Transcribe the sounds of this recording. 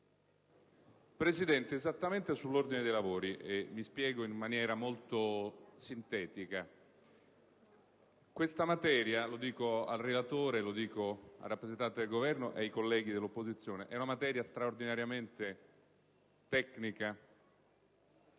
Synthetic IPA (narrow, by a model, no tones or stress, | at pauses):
pɾesid̪ɛnt̪eːzat̪ːament̪esulːord̪ined̪ejlavoːɾiʔemːispjɛːɡoinmanjɛːɾamolt̪osint̪ɛːt̪ika | kwest̪amat̪ɛːɾjalod̪iːkoa̰lrelat̪oːɾelod̪iːkoa̰rːapːɾezent̪ant̪ed̪elɡovɛrnoʔḛajkolːɛːɡid̪elːopːozit̪sːjoːneʔɛunamat̪ɛːɾjast̪ɾaord̪inaɾjament̪e | t̪ɛkːnika